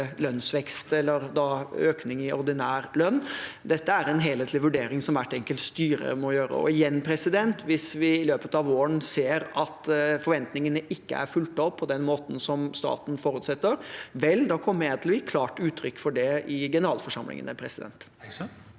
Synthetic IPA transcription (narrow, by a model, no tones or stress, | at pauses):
lœnsʋɛkst̪ɛlːəɾd̪ɑøːknɪŋɪʔɔɾd̪ɪnæːɾlœnːd̪ɛt̪ːəæɾɛnɦeːlheːt̪lɪʋʉɖeːɾɪŋsɔmʋæʈːɛŋkəlt̪st̪yːɾə̰mɔjøːɾə̰ɔ̰ɪjɛnːpʰɾɛsɪd̪ɛnt̪ʰʋɪsʋɪːløːpət̪ɑʋoːəɳseːɾɑt̪fɔɾʋɛnt̪nɪŋənəʔɪkːə̰æ̰ɾfʉlt̪ɔpʰːɔd̪ɛnmoːt̪n̩sɔmst̪ɑ̰ːt̪n̩fɔɾʉːt̪sɛt̪ːəɾʋɛld̪ɑkʰɔmːəæt̪ʰɪlɔjɪkʰlɑːʈʉːt̪ʰːɾʏkːfɔɖɛɪɡɛnəɾɑːlfɔʂɑmlɪ̰ŋə̰nəpʰɾɛsɪd̪ɛ̰nt̪